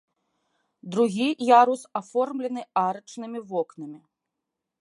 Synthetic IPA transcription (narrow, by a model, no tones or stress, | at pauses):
d̪ɾuɣʲijaɾusafɔrmlʲɛnɨaɾɐt͡ʂnɨmʲivɔknɐmʲi